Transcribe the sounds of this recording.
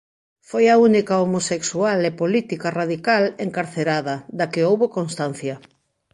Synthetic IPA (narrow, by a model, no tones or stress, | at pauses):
fojaunikaomoseksualepolit̪ikaraðikaleŋkaɾθeɾaðɐd̪akɪowβokonst̪an̟θjɐ